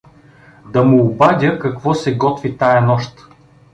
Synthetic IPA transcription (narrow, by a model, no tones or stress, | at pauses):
d̪ɐmuːbadʲəkɐkvɔsɛɡɔt̪vit̪ajɐnɔʃt̪